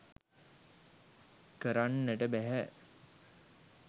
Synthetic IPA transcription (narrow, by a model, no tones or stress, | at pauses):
kəɾanːæʈəbæɦæ